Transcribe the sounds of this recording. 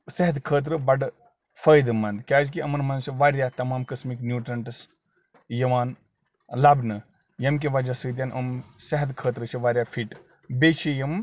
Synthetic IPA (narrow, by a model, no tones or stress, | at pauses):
sɐɦt̪kʰəːt̪̬ɾɨbɐɖ | fəːjd̪ɨmɐnd̪kʲaːzkiɐmɐnmɐnsiʋaːɾjat̪ɐmaːmkɐsmiknjuːʈɾɐɳʈɐs | jɐʋaːn | labnɨ | jɐmk̬eʋad͡ʒasɨːd̪jaːnʔɐmsɐɦt̪kʰəːt̪ɾɨt͡ʃʰiʋaːɾjafʰiːʈ | beːt͡ʃʰijɐm